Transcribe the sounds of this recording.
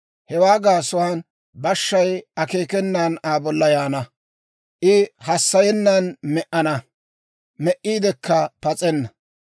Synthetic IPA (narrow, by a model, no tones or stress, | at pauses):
hɛwaːɡaːsʊwaːn | bɐʃːɐjɐke̞ːkɛnːaːnaːbɔlːɐjaːnɐ | ʔɪhɐsːɐjɛnːɐnmɛʔɐnɐ | mɛʔːiːd̪ɛkːɐpɐt͡sʼɛnːɐ